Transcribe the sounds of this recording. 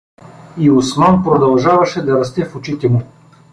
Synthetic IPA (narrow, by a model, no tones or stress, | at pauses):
iʊsmanpɾod̪ɐlˠʒavɐʃɛd̪ɐɾɐst̪ɛfʊt͡ʃit̪ɛmu